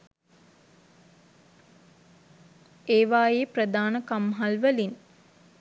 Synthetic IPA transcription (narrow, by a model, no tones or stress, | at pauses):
eːʋaːjeːprəd̪aːnəkamɦalʋəlin